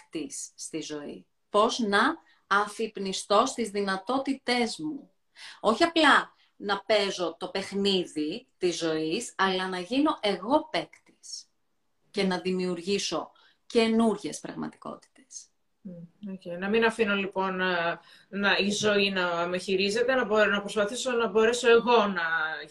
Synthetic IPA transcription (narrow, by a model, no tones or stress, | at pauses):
kt̪isːt̪izo̞ḭ | po̞znɐː | fipnist̪o̞st̪izðinɐt̪o̞t̪it̪e̞zmu | o̞çiɐplɐ | nɐpe̞zo̞t̪o̞pe̞xniðit̪izːo̞isɐlɐnɐʝino̞ʔe̞ɣo̞pe̞kt̪i̥s | ce̞nɐðimiuɾʝiso̞ | ce̞nuɾʝe̞spɾɐ̰ɣmɐ̰t̪i̥ko̞̰t̪i̥t̪e̞s | ocejnɐminɐfino̞lipo̞n | nɐizo̞inɐmeçiɾize̞t̪e̞nɐbonɐpɾo̞spɐθiso̞nɐbo̞ɾe̞so̞e̞ɣo̞nɐ